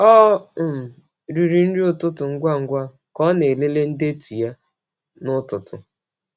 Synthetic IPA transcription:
ɔ˦˨m̩˨ | ɾi˨ɾi˨n̩˦ɾi˦ʊ˦tʊ˦tʊ˨ŋ̩˦ɡʷa˦ŋ̩˦ɡʷa˦ | kɔ˦ne˨le˦le˦n̩˦de˦tu˨ja˦ | nʊ˦tʊ˨tʊ˨

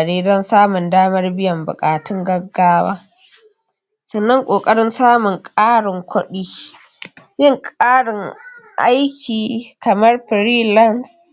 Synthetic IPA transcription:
ɐ˨ɽiː˦dɐ˦nsaː˦mʊ˨ndaː˦mɐ˦rbɪ˦jɐ˨mbʊ̰˨kʼaː˨tɪ˦ŋɡɐ˦ɡːaː˦wa̰ː˦ | sɐ˨nːɐ˦ŋkʷʼoː˨kʼɐ˦ɽɪ˦nsaː˦mʊ˨ŋkʼaː˦ɽɪ˨ŋkʷʊ˦ɗiː˦ | jɪ˦ŋkʼaː˦ɽɪ˨ŋʔa̰˦jkʲiː˨kʰɐ˨mɐ˦rɸɾiː˦lɐ˦˨ns

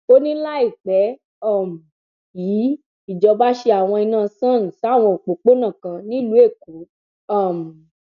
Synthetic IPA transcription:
to˦nĩ˦la˦i˦˨k͡pɛ˨˦ | ɔ˦˨m̩˨ | ji˨˦ | i˦˨d͡ʒɔ˧ba˦ʃe˧a˨w̃ɔ̃˧i˧nãː˦˧˨sã˦˨ñ̩˨sa˨˦˨w̃ɔ̃˧o˨k͡po˨k͡po˦nã˦˨kã˧nĩ˦lu˨˦e˦˨ku˨˦ | a˦˨m̩˨

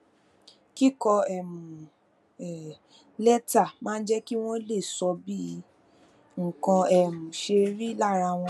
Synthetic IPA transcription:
ki˦kɔ˧ɛ˨m̃ũ˨ | ɛ˨ | lɛ˦ta˦˨mãː˦˧n̩˦d͡ʒɛ˦ki˦w̃ɔ̃˦le˦˨sɔ˧bi˦˧ | ŋ̩˨kã˧ɛ˦˨mũ˨ʃe˧ɾi˦la˦˨ɾa˧w̃ɔ̃˧

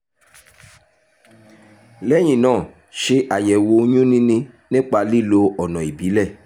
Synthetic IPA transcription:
lɛ˦j̃ĩ˦˨nãː˦˨ | ʃe˧ʔa˨jɛ˨wo˧ɲ̃ũ˦nĩ˦nĩ˧nĩ˦k͡pa˧li˦˨lo˧ɔ˨nɔ̃˨i˨bi˨˦lɛ˦˨

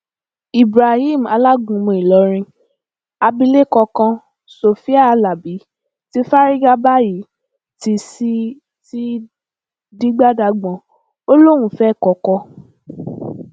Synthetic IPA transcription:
i˨bɾa˨hi˦˨m̩˨a˨˧la˦ɡũ˨˦mũ˧i˨lɔ˨˧˦ɾ̃ĩ˧ | a˧bi˧le˦˨kɔ˧kã˧ | so˧fi˦a˦˧la˨bi˨˦ | ti˦fa˦ɾi˦ɡa˦ba˦ji˨˦ | ti˧si˦ | ti˦ | di˦ɡ͡ba˦da˧ɡ͡bɔ̃˨˦ | o˦lo˦ɾ̃ũ˦fɛ˦˨kɔ˧kɔ˧

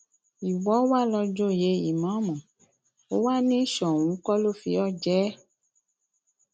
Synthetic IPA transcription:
i˨wɔ˨˦wa˦˨lɔ˧d͡ʒo˦˨je˨˦i˨mã˨˦mɔ̃˨ | o˨˦wa˦nĩ˦ʃɔ˨w̃ũ˨˦kɔ˦lo˦˨fi˧˦ɔ˦˨d͡ʒɛː˦

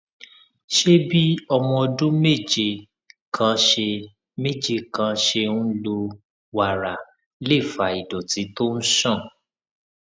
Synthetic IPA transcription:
ʃe˦bi˦ɔ˧mɔ̃˧ɔ˧dũ˦me˦˨d͡ʒe˧˨ | kʰã˨˧˦ʃe˧ | me˦˨d͡ʒe˧kã˨˧ʃe˧ũ˦lo˧ | wa˨ɾa˨ | le˦˨fa˨i˨dɔ˨ti˨˦to˦ñ̩˦ʃɔ̃˦˨

